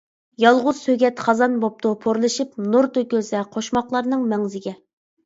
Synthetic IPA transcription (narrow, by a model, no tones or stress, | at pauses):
jɑlˠʁʊz̥søɡʲɛt̪χɑzɑnbop̚t̪ʰupʰoɾlˠɨʃip̚nuɾt̪ʰøkʲylsɛqʰoʃmɑχlˠɑɾnɨŋmɛŋzɪɡʲɛ